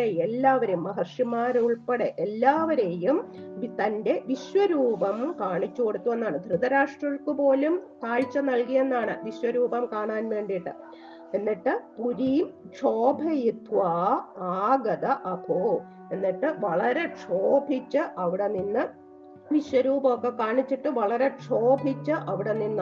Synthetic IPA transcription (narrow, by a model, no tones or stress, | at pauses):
eelːaːʋɐɾumːɐɦɐrʂimaːɾuɭpeɽeʔelːaːʋɐɾe̞jumt̪ɐnde̞ʋiɕwɐɾuːbɐmkaːɳit͡ɕːuko̞ɽut̪ːue̞nːaːɳɨd̪ʱrɨðɐɾaːʂʈrɐɭkɨpo̞ːlumt̪aːɻt͡ɕːɐnɐlkije̞nːaːɳɨʋiɕwɐɾuːbɐmkaːɳaːnʋe̞ːɳɖiʈːɨ | enːiʈːɨpuɾim | ʂo̞ːbʱɐjit̪ʋaːaːɡɐd̪ɐʔɐpoː | e̞nːiʈːɨʋɐɭɐɾe̞ʂo̞ːbʱit͡ɕːɨʔɐʋiɽe̞ninːɨ | ʋiɕwɐɾuːbɐokːe̞kaːɳit͡ɕːiʈːɨʋɐɭɐɾe̞ʈʂo̞ːbʱit͡ɕːɨʔɐʋiɽe̞ninːɨ